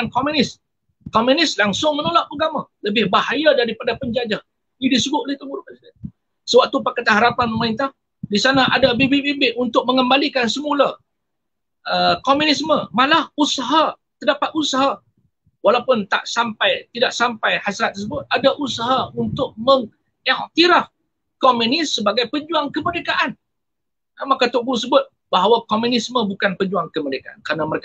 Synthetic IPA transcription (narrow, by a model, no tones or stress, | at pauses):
nkomjunɪs | komjunɪslaŋsʊŋmənolaʔuɡamaləbɪhbaɦajadaɾipadapəɲd͡ʒad͡ʒa | nidisəɡʊt̪̚olɛht̪əbuɾkasa | səwaʔ̚t̪upakat̪aɦaɾapanmaɪnt̪ah | disanaʔadabebibibɪʔunt̪ʊk̚məŋəmbalikansəmula | əkomjunɪsməmalahusaɦa | t̪ərdapat̪̚usaɦa | walawpʊnt̪a̰ʔsampajt̪idaʔsampajhasɾat̪̚ːəs̬əbʊt̪̚adaʔusaɦaunt̪ʊk̚məŋ | ɛʔt̪iɾah | kɔmjunɪsːəbaɡajpəɲd͡ʒuaŋkəməɾekaʔan | amakat̪ʊʔ̚bus̬əbʊt̪̚ | baɦawakɔmunisməbukanpəd͡ʒuaŋkəməɾekaʔankəɾənaməɾek